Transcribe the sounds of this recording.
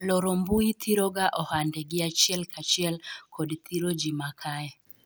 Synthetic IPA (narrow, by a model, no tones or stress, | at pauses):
lɔɾɔmbuit̪ʰiɾɔɡaʔɔhandɛɡɪat͡ʃjɛlkʰat͡ʃiɛlkʰɔdt̪ʰiɾɔd͡ʒimakʰaɛ